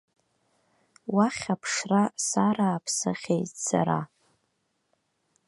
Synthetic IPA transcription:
waχʲapʰʂrasaɾaːpʰsɨ̰χʲejtsa̰ɾa̰

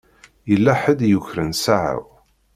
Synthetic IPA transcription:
jəlːaħəd̪juçɾənsaʕə̰ʁ

